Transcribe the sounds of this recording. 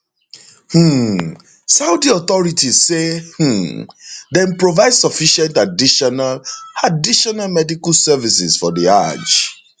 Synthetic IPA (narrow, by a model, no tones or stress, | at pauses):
h̩ | saʊdiɔtɔɹitizseh̩ | dɛ̃npɹovaɪdsɔfiʃɛ̃ntadiʃɔnaladiʃɔnalmɛdikalsɛvisɪzfɔdia̰d͡ʒ